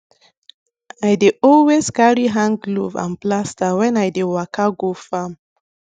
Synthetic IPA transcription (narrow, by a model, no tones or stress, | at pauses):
ajdeʔɔlwezkaɹiɦãŋɡluvã̰nplastawɛ̃najdewakʰaɡofam